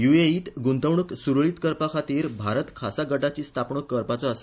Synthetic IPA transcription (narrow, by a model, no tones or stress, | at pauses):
jueiːt̪ɡunt̪əʋɳəksuɾɭiːt̪kəɾpakʰat̪iɾbʱaɾət̪kʰasaɡəʈat͡ɕiːst̪ʰapɳəkːəɾpat͡sɔəs